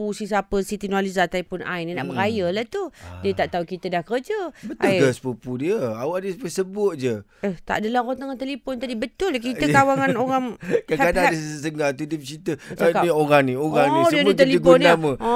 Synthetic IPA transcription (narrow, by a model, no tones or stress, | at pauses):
pusis̬apəsit̪inwalizat̪aipʊnʔa̰inĩnaʔbəɾajəlaht̪udiət̪aʔt̪aukit̪ədahkəəd͡ʒəbətʔaəspupudiəawadəpəsəbʊt̪̚d͡ʒəət̪a̰ʔdəlahɣɔnt̪əŋant̪əlipʊnt̪adibət̪ʊlkit̪əkawaŋanoɾaŋkakadaadəsəsəŋat̪udiət͡ʃit̪əakanioɾaŋnioɣaŋniddit̪əliəpʊnnnamə̃ɔ